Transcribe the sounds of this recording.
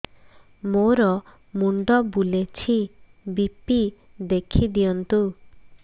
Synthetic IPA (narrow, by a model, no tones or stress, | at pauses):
moɾɔ | muɳɖɔbulet͡ʃʰi | bipi | d̪ekʰid̪ijɔnt̪u